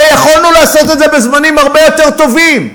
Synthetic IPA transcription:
jaχolnuleaso̞t̪e̞d̪ze̞bezmanimhaʁbe̞jo̞t̪e̞ʁt̪o̞vim

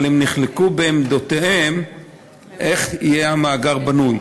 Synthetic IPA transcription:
lemniχlekubeːmd̪ot̪ehem | ʔe̞χijeamaːɡaʁbanuj

